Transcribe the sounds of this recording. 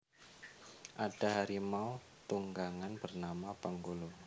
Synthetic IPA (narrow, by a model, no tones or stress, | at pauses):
ʔad̥aɦaɾimau | t̪uŋɡaŋanbərnamapəŋɡulo